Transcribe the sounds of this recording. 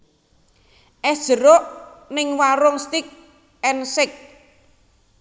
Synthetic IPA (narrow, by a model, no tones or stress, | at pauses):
ʔɛ̥ʒ̥əɾoʔnɪŋwaɾɔŋst̪ɪk̚ | ɛnsɪk̚